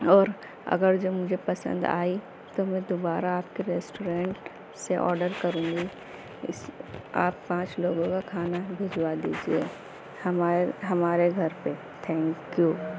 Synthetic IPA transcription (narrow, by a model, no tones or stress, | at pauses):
ɔːɾ | ɐ̰ɡəɾd͡ʒoːmʊd͡ʒʱepɐsə̰̃nd̪a̰ːi | t̪omɛ̃d̪obaːɾaaːp̚keɾɛːsʈoːɾẽːɳʈ | seʔɔ̰ːɾɖəɾkɐɾũːŋɡi | ɪsa̰ːpːãːt͡ʃloːɡõkakʰaːnabʱed͡ʒwad̪ḭːd͡ʒiḛ | hɐmɦɐmaːɾeɡʱɐɾpe | t̪ʰɛ̃ːŋkju